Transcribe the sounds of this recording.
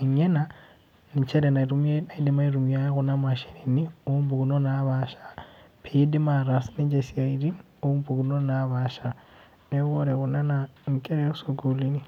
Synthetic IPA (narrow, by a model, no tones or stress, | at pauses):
eɲena | nit͡ʃeɾenaɾumenaidimaiɾumjaɣunamaʃeɾiniombuɡunonaβaʃḁpʰeidimaɾasnid͡ʒesiaiɾi | ombuɡunonaβaʃa | neβoɾeɣunanaŋ̩kʼeɾeusoɡulini